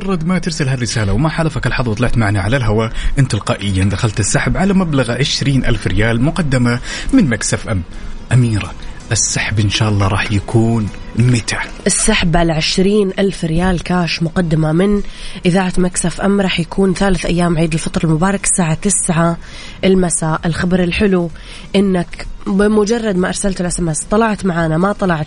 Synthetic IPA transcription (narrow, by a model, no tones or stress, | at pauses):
ɑrˤːɑd̪mat̪ɪɾsalɦarːɪsaːlawmaħalafakalħɑðˤwt̪ˤlɪʕt̪maʕnaʕalalɦawaʔɪnt̪alqɑːʔɪjːand̪axalt̪ɪsːaħbʕalamablaɣʕɪʃɾiːnʔa̰lfɾɪjaːlmʊqɑd̪ːamamɪnmaksafʔamːʔamiːɾaʔɪsːaħbʔɪnʃaːʔɑlːɑːɾˤɑːħjakʰuːn | mɪt̪aʔɪsːaħbʕalaʕɪʃɾiːnʔalfɾɪjaːlkaːʃmʊqɑd̪ːɪmamɪnʔɪðaːʕat̪maksafʔamːɾˤɑːħjakʰuːnθaːlɪθʔajːaːmʕiːd̪ɪlfɑt̪ˤɾˤɑlmʊbɑːɾˤɑksaːʕat̪ɪsʕa | ʔɪlmasaːʔɪlxɪbɾˤɪlħɪlu | ʔɪnːakbɪmʊd͡ʒɑrˤːɑd̪maʔɑɾˤsalt̪ɪlʔasamast̪ˤɑlɑʕt̪maʕaːnamat̪ˤɑlɑʕt̪